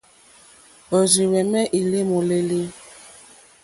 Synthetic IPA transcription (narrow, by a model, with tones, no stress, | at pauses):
o˨zi˨wɛ˨mɛ˦ʔi˨le˦mo˨le˦li˦